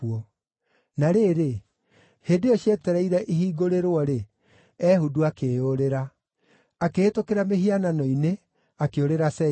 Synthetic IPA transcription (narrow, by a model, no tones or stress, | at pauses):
ɔ | naɾeːɾe | heːdeɔɕjɛtɛɾɛiɾɛʔiɦiːɡoɾeɾwɔɾe | ɛhuduakeːoɾeɾa | akeːtokeɾameɦiananɔine | akeoɾeɾasɛ